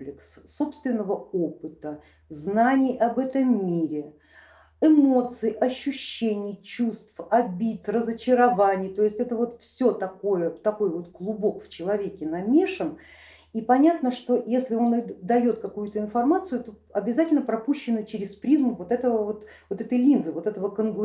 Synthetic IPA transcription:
lʲɪks | so̞pst̪vʲɪnːəvəopɨt̪ə | znanʲɪjʔɐbɛt̪əmːʲiɾʲɪ | ɪmo̞t̪sɨɪʔɐɕːʉɕːenʲɪjt͡ɕust̪fɐbʲit̪rəzət͡ɕɪɾɐvanʲɪjt̪o̞ɪsʲtʲɛt̪əvo̞t̪fsʲo̞t̪ɐko̞jət̪ɐko̞jvo̞t̪ɡlˠʊbo̞kft͡ɕɪlˠɐvʲekʲɪnɐmʲeʂən | ipɐnʲat̪nəʂt̪o̞jesʲlʲɪo̞nɨd̪ɐjo̞t̪kɐkujʊt̪əɪnfɐrmat̪sɨjʊt̪o | ɐbʲɪzatʲɪlʲnəpɾɐpuɕːɪnːɨt͡ɕɪɾʲɪspɾʲizmʊvo̞t̪ɛt̪əvəvo̞t̪ | vo̞t̪ɛt̪əjlʲinzɨvo̞t̪ɛt̪əvəkənɡlˠ

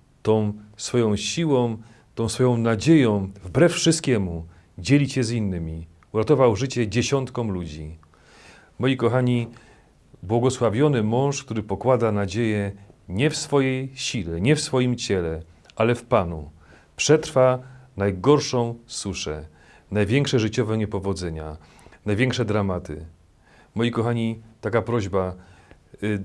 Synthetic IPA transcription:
t̪ɔ̃w̃sfɔjɔ̃w̃ɕiwɔ̃ | t̪ɔ̃w̃sfɔjɔ̃w̃nad͡ʑejɔ̃w̃vbɾɛffʂɨst̪̚kʲɛmu | d͡ʑelʲiɕɛzinːɘmʲi | uɾat̪ɔvawʐɘt͡ɕɛd͡ʑeɕɔnt̪kɔ̃m̃lud͡ʑi | mɔjikɔxaɲi | bwɔɡɔswavʲjɔnɘmɔ̃w̃ʂkt̪uɾɘpɔkwad̪anad͡ʑejɛɲɛfsfɔjejɕilɛɲɛfsfɔjimt͡ɕɛlɛ | ʔalɛfpanṵ | pʂɛt̪ɾfanajɡɔɾʂɔ̃w̃suʂɛ | najvʲjɛŋkʂɛʐɘt͡ɕɔvɛɲɛpɔvɔd̪zɛɲa | najvʲjɛŋkʂɛd̪ɾamat̪ɘ̰ | mɔjikɔxaɲit̪akapɾɔʑba

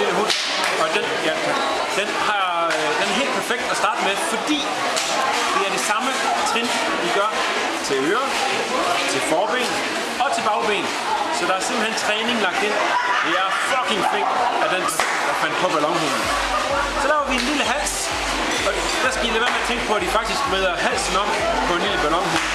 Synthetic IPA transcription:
eləɦun̰ | ɒ̽d̥enjækæ | d̥enhɑ̈ | d̥enæɐe̝̰ːld̥̚pʰæɐfeɡ̥̚d̥æsd̥ɑ̈ːd̥əmefɒ̽d̥ḭː | d̥e̝æɐɾ̥isɑ̈mə | t͡sʰeŋ | ʋiɡ̥ɶɐ | t͡sʰe̝løːɐ | t͡sʰe̝lfɒːb̥ḛːn | ɒ̽t͡sʰe̝lb̥ɑ̈ʊb̥ḛːn | sɒ̽d̥ɑ̈æɐse̝mb̥l̩hent͡sʰʁɛːne̝ŋlɑ̈ɡ̥d̥e̝n̰d̥eæɐfɒɡ̥iŋkʰfeŋ̰æd̥en̰ | d̥ɑfæn̰d̥̚pʰɒ̽b̥ælɒ̽ŋɦo̰ː | sɒ̽l̥ɛʊɐʋienliləɦæl̰s | ɒ̽ | d̥æsɡ̥æʋileʋɐmeɐt͡sʰeŋɡ̥əpʰɒ̽æd̥ifɑ̈ɡ̥̚d̥isɡ̥beð̞ˠɐɦæl̰sn̩ɒ̽m̰ | pʰɒ̽e̝nliləb̥ælɒ̽ŋɦo̝

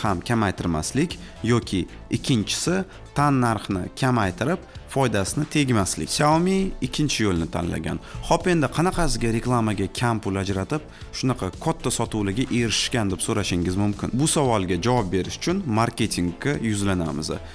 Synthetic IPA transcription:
hamkʲʰamajt̪ʰɪɾma̰slɪkʲ | jɒkʲʰɪ | ɪkʲʰːɪnt͡ʃʰɪ̥sɪ | t̪ʰanːaɾχnɪ̰kʲʰamajt̪ʰɪɾɪpfɒjd̪asɪnɪt̪ʰe̞ɡʲmaslɪ̰kʲsamiɪkʲʰːɪnt͡ʃʰɪjolˠnɪt̪ʰa̰nla̰ɡʲa̰nhɒpe̞nd̪ɪqʰɑnɑqʰɑsɪɡʲaɾe̞klˠamaɡʲakʲʰampʊlad͡ʒɾat̪ɪp̚ | ʃʊnɑqʰɑkʰɒt̪ʰːasɒt̪ʊwlɪɡʲaʔeɾɪʃɪ̥ʃkʲand̪ɪpsoɾaʃɪŋʲɪzmʊmkʲɪ̰nbʊsavɒlˠɡʲad͡ʒavɒp̚be̞ɾɪʃʊ̥t͡ʃʰʊnmaɾkʲe̞t̪ʰiŋɡʲajʊzlana̰mɪ̰z

